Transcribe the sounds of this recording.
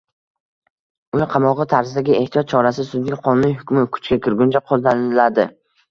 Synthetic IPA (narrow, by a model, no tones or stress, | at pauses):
ʊnɪqʰɑmɒʁɨt̪ʰaɾzɪd̪aɡʲɪe̞ht̪ʰiɒt̪̚t͡ʃʰɒɾasɪsʊd̪ɪŋʲqʰɒnʊnɪɦʊkʲmɪkʰʊ̥t͡ʃkʲakʲɪɾɡʲʊnt͡ʃʰaqʰozd̪anɪɪlad̪ɪ